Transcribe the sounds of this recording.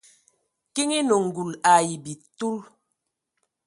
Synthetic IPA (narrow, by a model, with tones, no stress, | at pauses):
ki˦ŋi˦no˨ŋ̩˨ɡu˨la˨ji˨bi˨tu˦l